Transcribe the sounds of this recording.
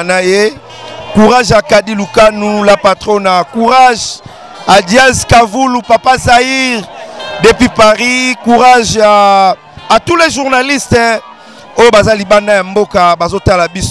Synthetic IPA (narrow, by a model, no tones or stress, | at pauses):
naje | kuʁaʒakadilukanulapatʁonakuʁaʒ | adjaskavulupapazaiʁdepipaʁikuʁaʒa | atulɛʒuʁnalistɛ | ojobazalibandajambokabazotalabis